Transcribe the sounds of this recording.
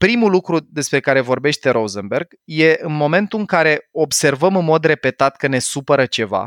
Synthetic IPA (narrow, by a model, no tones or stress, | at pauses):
pɾimulukɾud̪e̞spɾe̞kaɾe̞vo̞rbe̞ʃt̪e̞ɾozənberɡ | je̞ʔɨnmo̞me̞nt̪uɨŋkaɾe̞o̞bse̞rvəmɨnmo̞d̪re̞pe̞t̪at̪kəne̞supəɾət͡ʃe̞va̰